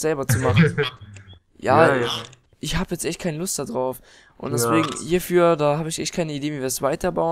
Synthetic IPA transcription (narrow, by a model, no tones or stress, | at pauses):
z̥ɛlbɐt͡sumaχ | jaː | ʔɪçhaːbəjɛt͡stʔɛçtkʰaɪnəlʊst̚d̥adʁaʊf | ʔʊ̰ntd̥ɛsv̥eːɡŋ̩hiːɐfyːɐdaːhaːbəɪçʔɛçt̚kʰaɪnəideːviːviːɐsv̥aɪtʰɐbaʊ